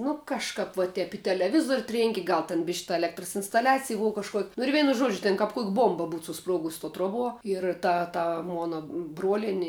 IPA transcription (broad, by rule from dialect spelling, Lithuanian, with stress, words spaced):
ˈnʊ kɐʃˈkɐp ʋɐ ˈtʲɛp ɪ tʲɛlʲɛˈʋʲɪzuɔrʲ ˈtʲrʲeːŋʲkʲɪ ˈɡɐlˠ tʲɛn ˈbʲɪʃʲ tɐ ɛˈlʲæːktrɐs ɪnstɐˈlʲæːt͡sʲɪj ˈboːʋɐ kɐʃˈkuɔkʲ nʊ ɪr ˈʋʲɛɪnʊ ˈʒuɔd͡ʒʲʊ ˈtʲeːn kɐp kuɔkʲ ˈbuɔmbɐ ˈbuːt sʊˈspruɔɡʊs toː ˈtruɔˌbuɔ ɪr ˈtɐ ˈtɐ ˈmoːnɐ ˈbruɔlʲiɛnʲɪ